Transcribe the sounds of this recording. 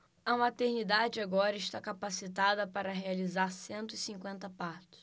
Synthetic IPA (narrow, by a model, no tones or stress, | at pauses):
ɐmat̪eɾnid̪ad͡ʒɪaɡɔɾɐɪʃt̪akapasit̪ad̪ɐpaɾɐɦealizaɾsẽnt̪ʊisĩŋkwẽnt̪ɐpaɾt̪ʊ̥s